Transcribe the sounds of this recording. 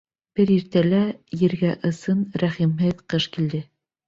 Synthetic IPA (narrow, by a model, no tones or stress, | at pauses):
b̥ɘɾiɾt̪ælæjɘ̆ɾɡæʔɤ̆sɤnɾæχimɦɘðqɤʃkild̪ɘ